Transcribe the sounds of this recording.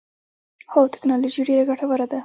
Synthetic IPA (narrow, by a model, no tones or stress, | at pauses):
howt̪ɪ̥knɑlod͡ʒiɖeɾaɡaʈawaɾad̪a